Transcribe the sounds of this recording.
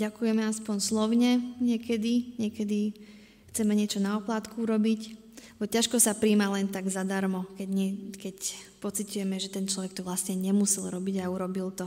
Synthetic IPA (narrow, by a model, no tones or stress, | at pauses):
ɟakujɛmɛaspɔɲslɔʊɲɛɲɪɛkɛd̪iɲɪɛkɛd̪i | xt͡sɛmɛɲɪɛt͡ʃɔnaɔplaːt̪kuuɾɔbic | ɛbɔcaʃkɔsapɾiːmalɛnt̪aɡzad̪aɾmɔkɛɲɛkɛcpɔt͡sit̪ujɛmɛʒɛt̪ɛnt͡ʃlɔʋɛk̚t̪ɔʋlasɲɛɲɛmusɛlɾɔbiɟauɾɔbilt̪ɔ